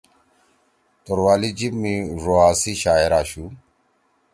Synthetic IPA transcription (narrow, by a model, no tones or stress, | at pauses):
t̪oɾwaːlid͡ʑibmĩʐoaːsiɕaːeɾaːɕu